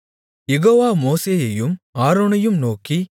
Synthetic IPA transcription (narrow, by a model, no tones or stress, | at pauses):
jɛɣoːʋaːmoːseːjɐjɯmaːɾoːnɐjɯmnoːki